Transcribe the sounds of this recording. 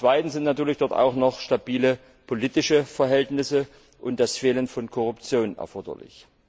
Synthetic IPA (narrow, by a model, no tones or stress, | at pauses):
t͡sv̥aɪtn̩sz̥ɪntnatyːɐlɪçd̥ɔɐta̰ʊxnɔχʃtabiːlə | pʰoliːtɪʃəfɛɐɦɛltnɪsə | ʔʊnt̚d̥asfeːlənfɔnkʰɔʁʊpt͡sjoːnɛ̰ɐfɔɐdɐ̰lɪ̰ç